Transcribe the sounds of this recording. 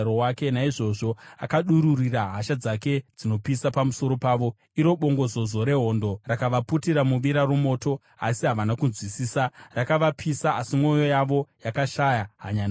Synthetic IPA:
ɾowake̞naiʐo̞ʐo̞a̰kaɗuɾuriraɦaʃad͡zake̞d͡zino̞pisapamuso̞ɾo̞paːʋo̞ | iɾo̞ɓo̞ŋɡo̞zo̞zo̞ɾe̞ɦo̞ndo̞rakaʋaputiɾamuʋiɾarumo̞ːto̞ | a̰siɦaʋanakunzwisiːsarakaʋapʰisaʔasimo̞jo̞jaʋo̞jakaʃajaɦa̰ɲana

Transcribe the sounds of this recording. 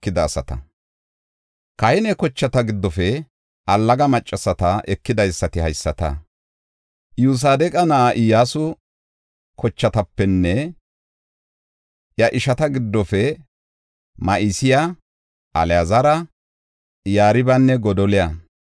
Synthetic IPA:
ɪd̪ɐːsɐt̪ɐ̰ | kɐjɪnɛkɔt͡ʃːɐt̪ɐɡɪd̪ːɔfɛ | ʔɐlːɐɡɐmɐt͡ʃʼːɐsɐt̪ɐʔɛkːɪd̪ɐjsːɐt̪ɪhɐjsːɐt̪ɐ̰ | juːs̬aːd̪ɛkʼɐnɐʔaʔɪjaːsʊ | kʰɔt͡ʃːɐt̪ɐpːɛnːɛ | ʔjɐʔɪʃɐt̪ɐɡɪd̪ːɔfɛ | mɐʔɪsɪja | ʔɐlɛjɐzɐɾɐ | jaːɾɪbɐnːɛɡɔd̪ɔlɪjɐ

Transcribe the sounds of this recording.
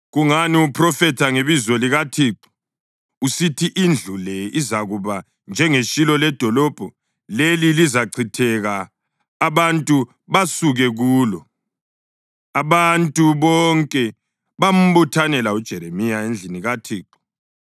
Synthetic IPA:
ɣuŋaniupʰrɔfɛtʰaŋeβizɔliɣatʰiːǃɔ̥ | usitʰiʔind͡ɮʱulɛizaɣuβa | nd͡ʒʱɛŋeʃilɔlɛd̥ʱɔlɔb̥ʱɔ | lelilizaǀʰitʰɛɣaː | βantʼu | βasuɣɛɣuːlɔ | aβantʼuβɔŋkʼɛ | βam̩βutʰanɛlaud̥ʒ̥ʱɛɾemijaend͡ɮʱiniɣatʰiːǃɔ̥

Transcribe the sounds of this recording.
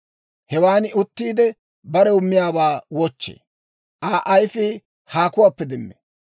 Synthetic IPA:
hɛwaːnʊt̪ːiːd̪ɛ | bɐɾɛʊmːɪjaːbaːwɔt͡ʃːḛː | ʔaːʔɐjfɪ | haːkʊwaːpːɛd̪ɛnːḛ

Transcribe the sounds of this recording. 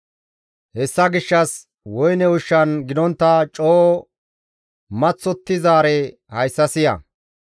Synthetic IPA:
hɛsːɐɡɪʃːɐs | wɔjnɛʊʃːɐnɡɪd̪ɔnt̪ːɐt͡ʃʼoː | mɐt͡sːɔt̪ːɪzaːɾɛ | hɐjsːɐsɪjɐ̰

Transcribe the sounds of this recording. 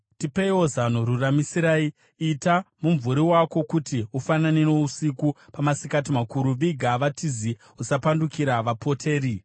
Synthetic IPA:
tipeiwo̞zan̤uɾuramisiɾaːi | itamuɱvuɾiwako̞kutiufananeno̞usikupamasikatimakuɾuʋiɡʱaʋatʰizi | usapandukiɾaʋapʰo̞tʰeːɾi

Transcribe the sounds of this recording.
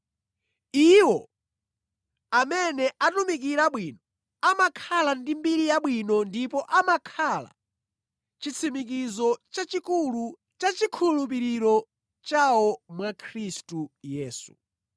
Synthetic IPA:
iwɔ | amɛnɛʔatumik̬iɾaɓwiːnɔ | amakʰalandimbiɾijaɓwinɔndipɔʔamakʰala̰ | t͡ʃit͡sʰimik̬izɔt͡ʃat͡ʃikulu | t͡ʃat͡ʃikʰulup̬iɾiɾɔ | t͡ʃawɔmwakʰɾistujɛːsṵ

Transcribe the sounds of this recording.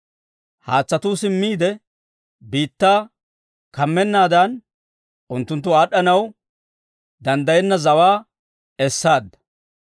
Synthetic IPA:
haːt͡sːɐt̪uːsɪmːiːd̪ɛ | biːt̪ːaː | kɐmːɛnːaːd̪ɐn | ʊnt̪ːʊnt̪̬ːʊaːɗɐnɐw | d̪ɐnd̪ɐjɛnːɐzɐwaː | ɛsːaːd̪ːɐ̥

